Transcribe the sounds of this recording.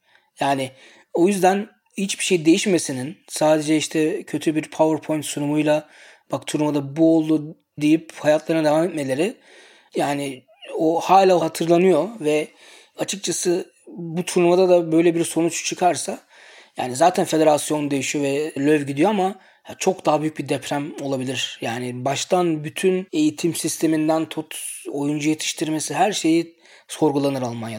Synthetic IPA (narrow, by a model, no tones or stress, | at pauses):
jaːnɪ | o̞jyzd̪æn | hit͡ʃbiʃe̞jid̪ejiʃme̞sininsaːd̪e̞d͡ʒɛiʃt̪ʰɛcʰø̞t̪ʰybiɾpʰavaɾpʰo̞jnt̪sunumujlˠa | b̥akt̪ʰuɾumad̪abuo̞lˠd̪u | d̪ejiphajat̪lˠaɾnad̪e̞vamet̪me̞lʲe̞ɾɪ | jaːnɪ | ohaːlʲalˠhat̪ʰɯɾlˠanɯjo̞vɛ | at͡ʃʰɯk̚t͡ʃʰasɯ | but̪ʰunumad̪ad̪abøjlʲebiɾso̞nut͡ʃt͡ʃʰɯkʰaɾsa | ja̰ːnizaːt̪ʰænfe̞d̪e̞ɾasjo̞nd̪e̞jiʃijo̞vɛlʲøvɟid̪ijo̞ama | t͡ʃʰo̞kd̪aɦabyjyc̚bid̪ɛpʰɾæmo̞lˠabilʲiɾ̥jaːnɪbaʃt̪ʰanbyt̪ʰyne̞jit̪ʰimsist̪ʰe̞mind̪ænt̪ʰot̪ʰojund͡ʒujet̪ʰi̥ʃt̪ʰiɾme̞siɦæɾʃe̞ji | so̞ɾɡulˠanɯɾalˠmanja